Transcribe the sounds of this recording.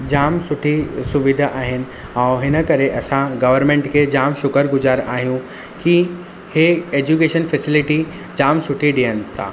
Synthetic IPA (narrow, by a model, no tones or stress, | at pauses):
d͡ʑaːmsʊʈʰisʊʋɪd̪ʱʔaːɦɪnɪ̆ɛ̃ːɦɪnə̆kɐɾeʔɐsãɡɐʋəɾmẽːɳʈkʰeːd͡ʑaːmʃʊkəɾɡʊzaːɾa̰ːɦijũ | ki | heeːd͡ʑukeːʃənfɛsɪlɪʈi | d͡ʑaːmsʊʈʰiɗiənɪ̆t̪ʰa̰ː